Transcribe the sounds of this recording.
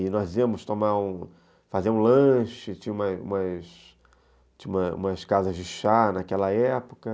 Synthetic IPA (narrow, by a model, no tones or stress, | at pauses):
ɪnɔziɐmʊst̪õmaɾũ | fazeɐũlɐ̃ʃɪt͡ʃĩũmɐṵ̃mɐs | t͡ʃĩũmɐṵ̃mɐskazɐzd͡ʒɪʃanakɛlɐɛpo̥kɐ